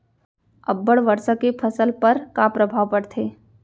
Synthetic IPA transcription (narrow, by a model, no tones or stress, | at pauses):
əbːəɽʋəɾsəkepʰəsəlpɐɾkapɾəbʱaːʋpəɽt̪ʰeː